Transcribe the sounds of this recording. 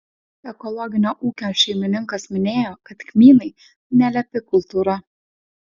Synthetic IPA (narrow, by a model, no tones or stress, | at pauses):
ɛkɔlˠɔɡʲɪnʲoːʔuːkʲoːʃʲɛɪmʲɪnʲɪŋkɐsmʲɪnʲeːjɔːkɐt̪kʲmʲiːnɐɪ | nʲɛlʲɛpʲɪkʊlˠt̪uːɾɐ